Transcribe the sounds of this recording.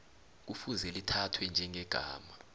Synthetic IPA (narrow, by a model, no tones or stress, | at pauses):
k̬ufuzɛlitʰatʰwɛnd͡ʒʱɛŋʱɛɡ̥ʱa̰ːma